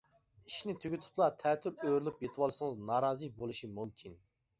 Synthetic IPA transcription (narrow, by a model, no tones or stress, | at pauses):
iʃnɪt̪ʰyɡʲyt̪ʰu̥plˠɑt̪ʰɛːt̪ʰːyɾøɾlypjet̪ʰɨwɑlˠɨʃɨŋɨznɑːɾɑːzɨbolˠuʃimumkʲʰin